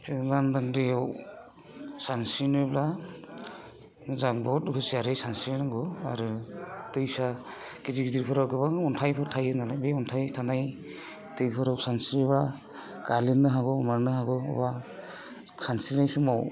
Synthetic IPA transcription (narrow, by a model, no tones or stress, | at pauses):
ɯlandaŋɾɯjaw | sansinɯbla | mɯzaŋbɔtkʰɯsiaɾɯsansiɾnaɡɔa̰ɾɯtɯjsa | kiziɡdiɾpʰɯɾawɡɯβaŋɔntʰajpʰɯɾtʰajɯnalajbeɔntʰajtʰanaj | tɯjpʰɯɾawsansiɾiβa | kalinːɯɦaɡɔmaɾnɯɦaɡɔɔ̰ba | kʰansinajsɯmaw